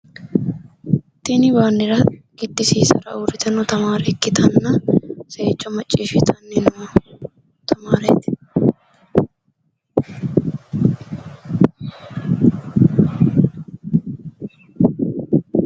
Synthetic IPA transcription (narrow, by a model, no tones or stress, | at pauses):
t̪ːɪnɪbaːnːɪɾɐɡ̥ɪt̪ːɪsiːsɐ̰ɾɐ̰ʊɾɪt̪ɛnɔt̪ɐmaːɾɛkːɪt̪ɐnːɐseːt͡ʃːɔmɐt͡ʃʼːiːʃɪt̪ʰɐnːɛnʊmɐ | t̪ʰɐmaːɾɛt̪